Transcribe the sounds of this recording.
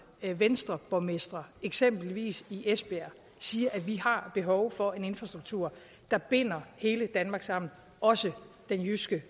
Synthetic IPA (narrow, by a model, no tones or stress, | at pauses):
ʋensd̥ʁɐb̥ɒmesd̥ʁɐeɡ̥sem̰b̥l̩ʋḭːsiʔesb̥eæ | siːɐʔæʋihɑ̈b̥e̝ɦɒʊfɒ̽e̝ne̝nfʁɑ̈sd̥ʁuɡ̥̚t͡sʰuɐ̰ | d̥ɑ̈b̥e̝n̰ɐhe̝ːləd̥ænmɑ̈ːɡ̥sɑ̈m̰n̩ | ɒ̽sə | d̥enjysɡ̥ə